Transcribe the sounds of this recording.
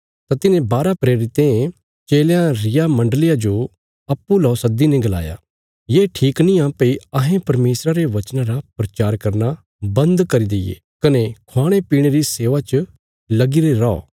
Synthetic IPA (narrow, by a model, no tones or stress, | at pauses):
t̪at̪ɪnẽbaːɾapɾeːɾɪt̪ẽ | t͡ʃeːljãɾɪjamɐ̃ɳɖəlɪjad͡ʒo | ɐpːulɔːsɐd̪inɛ̃ɡɐla̰ːja̰ | jeːʈʰiːknĩãːpeiɐɦẽpɐɾmeːsɾaɾeʋɐt͡ʃnãɾapɾɐt͡ʃaːɾkɐɾna | bɐ̃nd̪kɐɾid̪ejḛ | kɐnekʰoaːɽ̃epiːɽ̃eɾiseːʋat͡ʃə | lɐɡiɾeɾɔɔ̰ː